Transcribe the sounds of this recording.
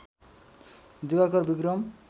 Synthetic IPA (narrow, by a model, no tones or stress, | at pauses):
d̪uɡakɔɾbiɡɾɔm